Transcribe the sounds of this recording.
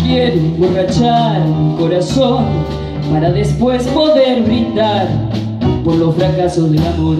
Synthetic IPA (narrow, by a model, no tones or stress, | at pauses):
kjeɾoemborat͡ʃaɾmiko̞ɾason | paɾaðe̞spwe̞spo̞ðe̞ɾβɾind̪aɾ | po̞ɾlo̞sfɾakaso̞zðelaβoð